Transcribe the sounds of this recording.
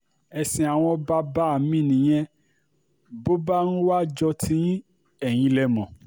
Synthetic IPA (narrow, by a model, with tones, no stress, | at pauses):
ɛ˧sĩ˧a˨w̃ɔ̃˧ba˧ba˦˨mĩ˦˨nĩ˨j̃ɛ̃˧ | bo˦ba˦nũ˦wa˦d͡ʒɔ˧tʰĩ˨˦ĩ˦ | ɛ˦˨j̃ĩ˧lɛ˧mɔ̃˨